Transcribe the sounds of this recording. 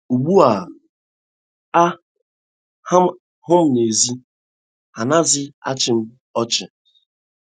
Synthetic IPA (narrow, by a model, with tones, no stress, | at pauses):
u˨ɡ͡bu˦a˨ | a˦ | ha˦m̩˦ | hʊ˦m̩˦ne˨zi˦ | ha˨na˦zɪ˦a̰˦t͡ʃɪ˨m̩˦ | ɔ˦t͡ʃɪ˨